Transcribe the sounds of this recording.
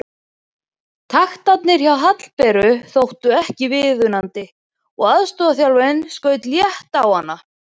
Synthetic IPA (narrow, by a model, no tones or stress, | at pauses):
t̪ʰaxt̪at̪nɪɾ̥çawɦat̪l̥pɛɾʏθowht̪ʏɛhcɪvɪðʏnant̪ɪ | ɔɣaðst̪ɔːðaθjawlvɛnskœːɥt̪ljɛht̪awhanːa